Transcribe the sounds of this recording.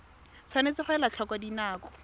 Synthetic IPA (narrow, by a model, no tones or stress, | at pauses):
t͡sʰwanet͡sɪχwɛlat͡ɬʰɔkɔdinaːkɔ̥